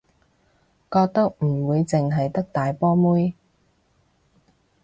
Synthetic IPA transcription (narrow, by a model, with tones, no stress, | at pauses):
kɔː˧k̚t̪ɐ˥k̚m̩˨˩wuː˨˧jt͡sɪ˨ŋɦɐ˨jt̪ɐ˥k̚t̪aː˨jpɔː˥muː˥j